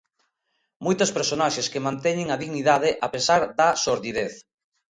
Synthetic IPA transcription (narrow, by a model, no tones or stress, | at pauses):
mojt̪ospeɾsonaʃeskemãnt̪ɛɲɪŋaðiɣniðaðɪʔapesaɾðasoɾðiðeθ